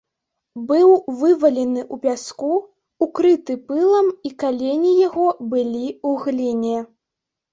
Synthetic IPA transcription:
bɨwvɨvɐlʲɛnɨʔupʲaskuː | kɾɨt̪ɨpɨlˠɐmikalʲenʲijaɣɔbɨlʲiuɣlʲinʲɛ

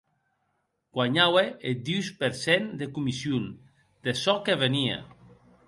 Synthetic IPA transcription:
ɡ̥waɲaweed̪iwspeɾsend̪ekumisjun | d̪̥esɔkeβeniḛ

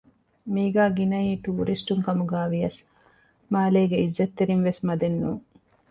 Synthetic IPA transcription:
miːɡæːɡinɐiːʈuːɾisʈuŋkɐmuɡæːʋiɐs | maːleːɡeizːɐt̪ːeɾinʋesmɐd̪enːṵː

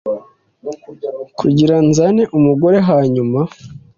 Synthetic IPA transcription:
kʰuɟiɾanzaneʔumuɡo̞ɾe̞ɦaːɲuma

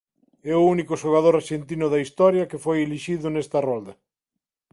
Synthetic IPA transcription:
ɛʊunikʊʃoɣ̞aðoɾaɾʃent̪inʊðɐist̪ɔɾjɐkefojeliʃiðʊnɛst̪ɐrɔld̪ɐ

